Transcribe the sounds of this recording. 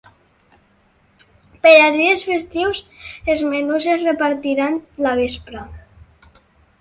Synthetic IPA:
peʎaɾðiesfest̪iwsezmenuzesrepaɾt̪iɾanlaβespɾa

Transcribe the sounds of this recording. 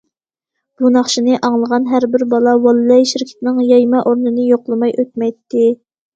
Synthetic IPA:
b̥unɑχʃinɨʔɑŋlˠəʁɑnɦæɾbɪɾbɑlˠɑwɑlˠlɛjʃiɾkʲʰi̥t̪nɪŋjɑjmɑʔoɾnɨnɨjoqlˠɨmɑjʔøt̪̚mɛjt̪ʰːɪ

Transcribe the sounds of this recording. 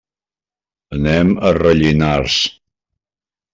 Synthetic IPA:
ənɛmərəʎinaɾs

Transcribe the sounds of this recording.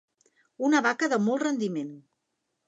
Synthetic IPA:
unəβakəðəmɔlˠtrənd̪imen

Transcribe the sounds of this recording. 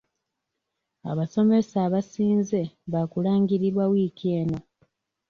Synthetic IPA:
a̰βaso̞me̞saːβasiːnze̞βakulaːŋɡiɾiɾwawiːkʰie̞ːno̞

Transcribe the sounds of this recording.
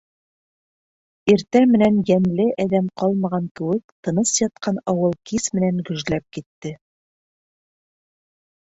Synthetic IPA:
iɾt̪æmɘ̆nænjænlɘʔæðæmqɑlˠmɑʁɑŋkɘ̆wɘk̚t̪ɤ̆nɤsjɑt̪̚qʰɑnɒwɤlˠkismɘ̆næŋɡɵ̆ʒlæp̚kit̪ːɘ

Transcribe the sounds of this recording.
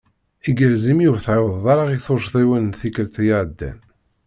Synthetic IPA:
iɡəɾzimiʊɾθʕawəðˤðˤɑɾˤɑʁiθoɾʃðˤiwænnθikəlt̪jaʕd̪ːæ̰n

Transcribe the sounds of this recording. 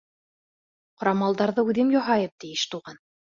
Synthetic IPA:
qŏɾɑmɑlˠd̪ɑɾðɤʉðɘmjɑɦɑjɤp̚t̪ijɘʃt̪uʁɑn

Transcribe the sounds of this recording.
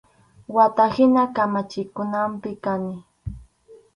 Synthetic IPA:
wat̪ahɪnakamat͡ʃɪkʊnampɪkanɪ

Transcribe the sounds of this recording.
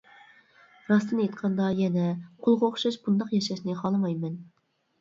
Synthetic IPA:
ɾɑst̪ɨnejt̪qʰɑnd̪ɑjɛnɛqʰolˠʁɑoχʃɑʃbund̪ɑqjɛʃɛʃnɨχɑlˠɨmɑjmɛn

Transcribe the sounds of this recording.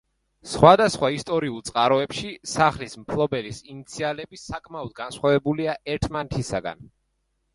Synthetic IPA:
sχwad̪asχwaist̪ʼɔɾiulˠt̪sʼqʼaɾɔɛpʃisaχlismpʰlˠɔbɛlisinit̪sʰialɛbisakʼmaɔd̪̚ɡansχwavɛbuliaɛɾt̪ʰmanɛt̪ʰisaɡa̰n

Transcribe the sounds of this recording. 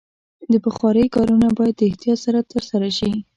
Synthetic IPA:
d̪əpəxwɑɾəjkɑɾunabɑjad̪ːəɪht̪ijɑt̪saɾat̪əɾsaɾaʃi

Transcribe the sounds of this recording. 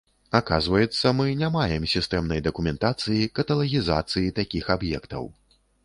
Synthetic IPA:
aka̰zvɐjɛt̪sːɐmɨnʲamajɛmsʲist̪ɛmnɐjd̪ɐkumʲɛnt̪at̪sɨjikɐt̪ɐlˠɐɣʲiza̰t̪sɨjit̪akʲixabjɛ̰kt̪ɐ̰w

